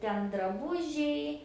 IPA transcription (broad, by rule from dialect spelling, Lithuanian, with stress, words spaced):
ˈtʲɛn drɐˈbʊʒʲɛɪ